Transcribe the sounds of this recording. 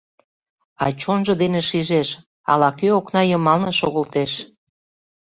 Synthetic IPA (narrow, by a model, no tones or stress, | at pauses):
ɑt͡ɕonʒɤ̆d̪eneʃiʒeʃ | ɑ̰lɑkøoknɑjəmɑlnĕʃoɣəlt̪eʃ